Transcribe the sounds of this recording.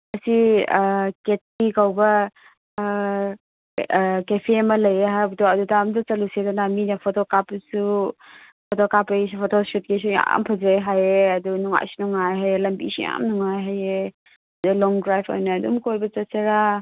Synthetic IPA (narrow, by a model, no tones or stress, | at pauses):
ɐsi | ket̚tikawbɐ | kepʰemɐlɐjeɦabutoɐdutamdɐt͡ʃɐlusedanaminɐpʰotokapsu | pʰotokapɐs̬upʰotosut̚ɡesuja̰mpʰɐzajɦajeɐdunuŋa̰jsunuŋajɦajelɐmbḭsija̰mnuŋajɦaje | ɐdulɔŋdɾajpʰo̰jnɐːdṵmkojbɐt͡ʃɐseɾa